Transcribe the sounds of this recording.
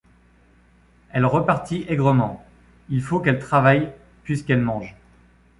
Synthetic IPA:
ɛlʁəpaʁt̪iʔɛɡʁəmɑ̃ | ilfokɛlt̪χavaj | pɥiskɛlmɑ̃ʒ

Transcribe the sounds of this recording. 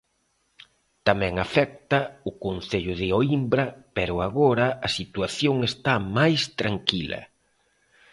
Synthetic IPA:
t̪amɛ̃ŋafɛk̚t̪ɐʊkon̟θeʎʊðɪoimbɾɐpɛɾʊaɣoɾɐɐsit̪waθjoŋest̪amajst̪ɾaŋkilɐ̰

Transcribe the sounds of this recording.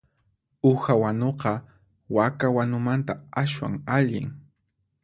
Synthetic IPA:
ʊxawanoqɑ | wakawanʊmant̪aaswa̰ŋaʎɪ̰ŋ

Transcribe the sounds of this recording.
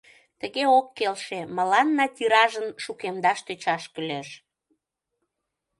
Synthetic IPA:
t̪əɣeokːelʃemə̆lɑnːɑt̪iɾɑʒənʃukemd̪ɑʃt̪øt͡ɕɑʃkəleʃ

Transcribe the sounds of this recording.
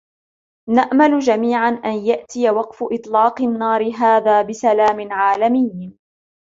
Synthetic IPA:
naʔmalʊd͡ʒamiːʕanʔanjaʔt̪ɪjawɑqfʊʔɨt̪ˤlɑːqɪnːɑːɾɪɦaːðaːbɪsalaːmɪnʕaːlamɪj

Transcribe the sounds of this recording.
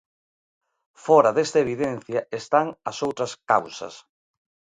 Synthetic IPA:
fɔɾɐðest̪aeβiðenθjɐest̪aŋɐsowt̪ɾɐska̰wsɐ̰s

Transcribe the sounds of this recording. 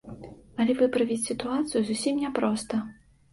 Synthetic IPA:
ɐlʲɛvɨpɾɐvʲit͡sʲsʲit̪uat̪sɨjuzusʲimnʲɛpɾɔst̪ɐ

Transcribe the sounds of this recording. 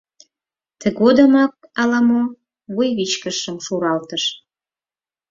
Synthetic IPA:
t̪ʰə̆ɣod̪əmɑk̚ɑlɑmo | βujβit͡ɕkəʃəmʃuɾɑlt̪əʃ

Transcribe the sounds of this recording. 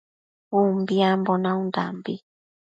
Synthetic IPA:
umbiambɔnãũnda̰mbi

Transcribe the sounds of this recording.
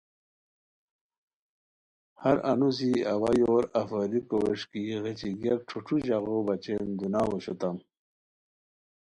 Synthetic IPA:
hɐɾɐnus̬iawajoːɾɐfəɾikoweʂkiɣet͡ɕiɡjɐk̚ʈ͡ʂʰuʈ͡ʂʰuʑaɣobɐt͡ɕend̪unaːwoɕot̪am

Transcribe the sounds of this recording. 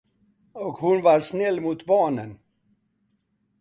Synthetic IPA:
ɔkhʊnvaɾʂnɛlːmuːt̪bɑːɳən

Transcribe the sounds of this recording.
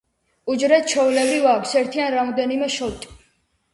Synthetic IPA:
ud͡ʒɾɛt̪̚t͡ʃʰɔvulɛbɾivakʰsɛɾt̪ʰianɾamɔd̪ɛnimɛʃɔlt̪ʼ

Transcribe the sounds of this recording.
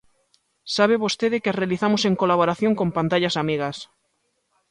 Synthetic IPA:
saβeβost̪eðekearealiθamoseŋkolaβoɾaθjoŋkompant̪aʎasamiɣas

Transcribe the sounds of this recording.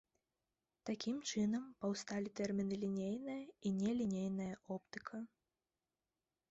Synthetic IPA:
t̪akʲimt͡ʂɨnɐmpɐwst̪alʲit̪ɛrmʲinɨlʲinʲejnɨjɐinʲɛlʲinʲejnɐjɐʔɔpt̪ɨkʰɐ

